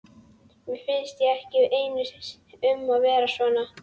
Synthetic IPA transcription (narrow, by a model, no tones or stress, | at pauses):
vɪfɪnst̪ɪɛhcɪeːjnʏssʏmːaðvɛːɾasvɔːna